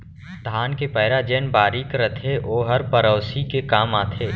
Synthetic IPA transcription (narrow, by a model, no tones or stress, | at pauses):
d̪ʱaːnkepəːɪɾad͡ʒɛːnbaːɾiːkɾət̪ʰeʔoːɦɐɾpɐɾɔːsikekaːmaːt̪ʰeː